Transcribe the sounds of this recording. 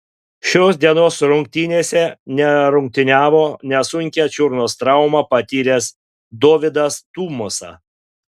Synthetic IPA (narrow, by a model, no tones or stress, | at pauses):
ʃʲoːs̬d̪ʲiɛnoːsɾʊŋʲk̚t̪ʲinʲeːsʲɛnʲɛɾʊŋʲk̚t̪ʲɪnʲæːʋoːnʲɛsʊŋʲkʲæt͡ʃʲʊɾnoːst̪ɾɑʊmɑːpɐt̪ʲiːɾʲeːs | d̪oːʋʲɪd̪ɐst̪uːmʊsɑ̰ː